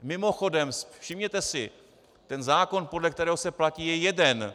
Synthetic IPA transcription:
mɪmo̞xo̞dɛmsfʃɪmɲɛt̪ɛsɪ | t̪ɛnzaːko̞npo̞dlɛk̚t̪ɛɾɛːɦosɛplaciːjɛjɛdɛn

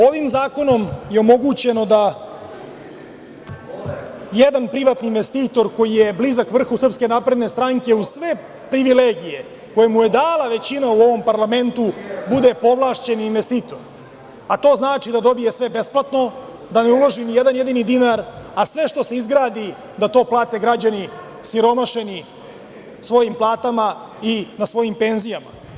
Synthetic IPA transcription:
o̞ʋimzaːko̞no̞mje̞omo̞ɡut͡ɕe̞no̞d̪a | jed̪anpɾiʋat̪niːnʋe̞st̪iːt̪o̞ɾko̞jijeblizakʋr̩xusr̩pske̞napɾe̞d̪ne̞st̪ɾaŋke̞ussʋe | pɾiʋileːɡije̞ | ko̞jemuje̞d̪aːlˠaʋe̞t͡ɕinauo̞ʋo̞mpaɾlame̞nt̪ubud̪epo̞ʋlˠaːʃt͡ɕe̞ninʋest̪it̪o̞ɾ | at̪o̞ːznaːt͡ʂid̪ad̪o̞bije̞sʋe̞be̞splˠat̪no̞ | d̪ane̞ulo̞ʒinijed̪anje̞d̪inid̪inaɾasʋe̞ʃt̪o̞seizɡɾaːd̪i | d̪at̪o̞ːplˠaːt̪e̞ɡɾad͡ʑani | siɾo̞maʃe̞ni | sʋo̞jimplˠaːt̪ama | inasʋo̞jimpe̞nzijama̰

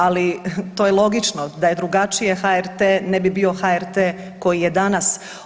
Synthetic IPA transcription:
alit̪ojelˠo̞ɡit͡ʃnod̪aje̞d̪ɾuɡat͡ʃije̞xaeɾt̪eːnɛbibio̞xaeɾt̪eː | ko̞jijed̪anas

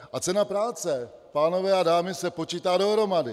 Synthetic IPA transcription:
ʔat͡sɛnapɾaːt͡sɛ | paːno̞vɛadaːmɪsɛpo̞t͡ʃiːt̪aːdo̞ɦɾo̞madɪ

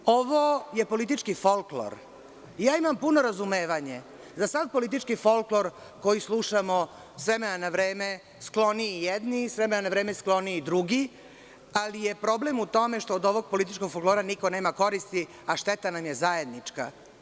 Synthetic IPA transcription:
oʋoje̞po̞lit̪̬it͡ʃkifolklo̰ɾ | jaːimampunoɾazume̞ːʋaɲe | zasad̪̚po̞lit̪it͡ʃkifo̞lklo̞ɾ | ko̞jislˠuʃamo̞ | sʋemenanaʋɾeːme | sklˠo̞niijed̪nisʋemenanaʋɾe̞ːmesklˠo̞niid̪ɾuɡi | alijepɾo̞blemut̪o̞me̞ʃt̪o̞ːd̪o̞ʋoɡ̚po̞lit̪̬it͡ʃko̞ɡ̥folklˠoːɾaniko̞neːmako̞ɾist̪i | aʃt̪et̪anamjezaje̞d̪nit͡ʂka̰

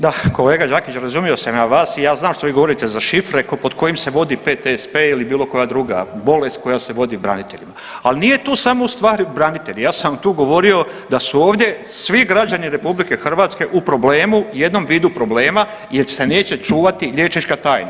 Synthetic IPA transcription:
d̪ako̞le̞ːɡad͡ʒaːkit͡ɕɾazumio̞samaʋaːsijaːznaːmʃt̪oiːɡo̞ʋo̞ɾit̪e̞zaʃifɾekpo̞d̪kʰo̞jimse̞ʋo̞d̪ipet̪espeilibiːlo̞ko̞jad̪ɾuːɡa̰bo̞le̞st̪̚ko̞jase̞ʋo̞d̪ibɾa̰nit̪e̞̰ʎima | alnije̞t̪uːsamo̞ust̪ʋaːɾbɾanit̪e̞ʎijaːsat̪uːɡo̞ʋo̞ɾio̞ | d̪asuo̞ːʋd̪je̞sʋiɡɾad͡ʑaniɾe̞publike̞xrʋaːt̪ske̞ʔupɾo̞ble̞ːmuje̞d̪no̞mʋiːd̪upɾo̞ble̞ːma | jeɾse̞ne̞ːt͡ɕe̞t͡ʃuːʋat̪iʎe̞ːt͡ʃnit͡ʃkat̪aːjna̰

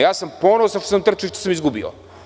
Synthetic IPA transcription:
jasɐmpɔnɐsaʃt̪o̥sɐmt̪əɾt͡ʃ̪iʃt̪o̥sɐmizɡubio̰

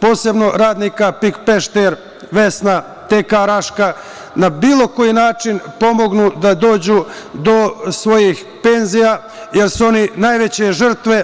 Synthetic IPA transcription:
po̞ːse̞bno̞ɾaːd̪niːkapikpeʃt̪eɾ | ʋe̞sna | t̪ekaɾaʃka | nabiːlˠo̞ko̞jinaːt͡ʃinpo̞mo̞ɡnud̪ad̪o̞ːd͡ʑud̪o̞sʋo̞jix | pe̞nzija | je̞ɾsuo̞ninaːjʋe̞t͡ɕe̞ʒr̩t̪ʋe̞

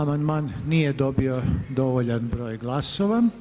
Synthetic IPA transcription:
amand̪maːnːijed̪o̞biod̪o̞ʋoʎanbɾo̞ːjɡlˠaso̞ʋa

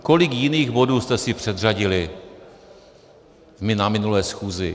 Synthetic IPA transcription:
ko̞lɪkjɪniːɣbo̞duːst̪ɛsɪpr̝̥ɛd̪r̝aɟɪlɪ | vmɪnamɪnulɛːsxuːzɪ

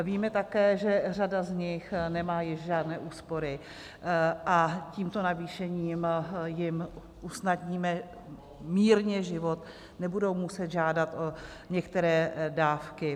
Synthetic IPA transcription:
viːmɛt̪akɛːʒɛr̝adazɲɪxnɛmaːjɪʃʒaːdnɛːʔuːspo̞ɾɪ | ʔaciːmt̪o̞naviːʃɛɲiːmjɪm | ʔusnadɲiːmɛ | miːɾɲɛʒɪvo̞t̪ | nɛbudowmusɛt̪ʒaːdat̪ʔo | ɲɛkt̪ɛɾɛːdaːfkɪ

